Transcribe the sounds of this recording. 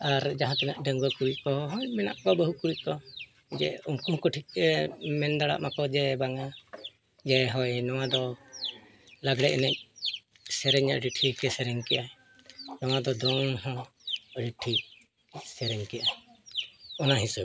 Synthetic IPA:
aɾd͡ʒaɦãkɛnaʔɖəŋɡɔkuɾiʔkɔɦɔjmɛna̰ʔkɔbəɦukuɽikɔ | d͡ʒɛ̰uŋkumkɔʈʰik̚ɛmɛnd̪aɽa̰ʔmakɔd͡ʒɛbaŋa | d͡ʒɛɦɔjnɔwad̪ɔ | laɡɽɛʔɛnɛʔ̚ | sɛɾɛɲaʔɾiʈʰikɛsɛɾɛŋkɛʔa | nɔwad̪ɔd̪ɔŋɦɔ̃ | ɾiʈʰi | sɛɾɛŋkɛjʔa | ɔnaɦisub

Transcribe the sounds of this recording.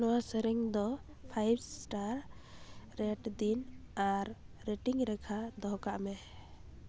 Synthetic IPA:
nɔwasɛɾɛŋd̪ɔ | pʰajbsʈaɾ | ɾɛʈd̪inaɾː | eʈiŋɾɛkʰad̪ɔɦkaʔmɛ

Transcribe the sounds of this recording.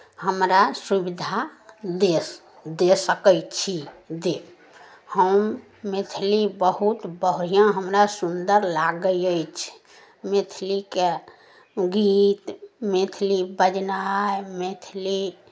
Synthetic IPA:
həmɾasubid̪ʱad̪e | d̪esəkət͡ʃʰid̪e | həmː | et̪ʰlibəɦut̪bəɦɾ̤ijãɦəmɾasund̪əɾlaɡəjəjt͡ʃʰ | met̪ʰlike | ɡit̪met̪ʰlibəd͡ʒnamet̪ʰili

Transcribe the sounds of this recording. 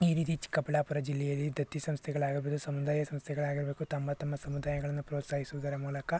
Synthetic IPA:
iɾiːt̪it͡ʃi̥kːɐpːɐɽaːpuɾɐd͡ʒilːɛjɐlːid̪ʱɐt̪ːisɐ̃mst̪ʰjɐɡɐɭaːɡiɾbeːd̪usɐmud̪aːjɐsɐ̃mst̪ʰjɐɡɐɭaːɡiɾbeːkut̪ɐmɐt̪ɐmːɐsɐmud̪aːjɐɡɐɭɐnːɐpɾoːt̪saːɦisud̪ɐɾɐmuːlɐka

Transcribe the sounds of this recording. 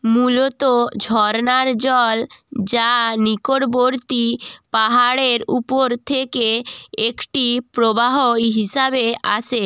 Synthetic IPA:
mulot̪od͡ʑʱɔɾnaɾd͡ʑɔld͡ʑanikoɽboɾt̪ipaɦaɽeɾupoɾt̪ʰekeekʈipɾobaɦoɦiʃabeʔa̰t͡ɕʰe

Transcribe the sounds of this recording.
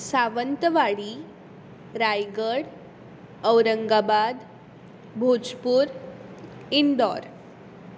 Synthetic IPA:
saʋənt̪əʋaɽi | ɾajɡəɽ | əwɾəŋɡabad̪ | bʱod͡zpuːɾ | iɳɖ̪ɔɾ

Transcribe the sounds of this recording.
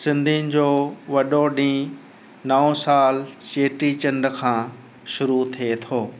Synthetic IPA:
sɪ̃nd̪ʱinɪ̆d͡ʑoːʋɐɗoɗĩː | nɐõsaːlt͡ɕeːʈɾit͡ɕɐ̃ɳɖə̆kʰãː | ʃʊɾut̪ʰiet̪ʰoː

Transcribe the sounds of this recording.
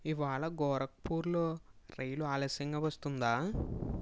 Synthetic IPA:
iʋaːɭɐɡɔːɾɐk̚puːɾlo̞ːɾejluaːlɐsɐŋɡaːʋɐst̪und̪aː

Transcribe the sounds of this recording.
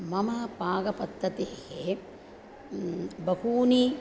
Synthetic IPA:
mɐmɐpaːɡɐpɐt̪ɾɐt̪eːhe | bɐhuːni

